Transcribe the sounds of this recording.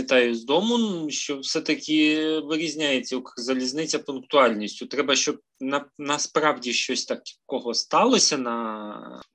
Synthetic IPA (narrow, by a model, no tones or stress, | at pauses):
ɪt̪ɑjʊzd̪ɔmʊnʃt͡ʃɔwsɛt̪ɐkʲɪʋɪɾʲizʲnʲajet͡sʲːɐʊkzɐlʲiznɪt͡sʲːɐpʊnkt̪ʊɑlʲnʲisʲtʲʊt̪ɾɛbɐʃt͡ʃɔb̚nɐnɐspɾɑwdʲiʃt͡ʃɔsʲt̪ɑkkɔɦɔst̪ɑlˠɔsʲɐnɐ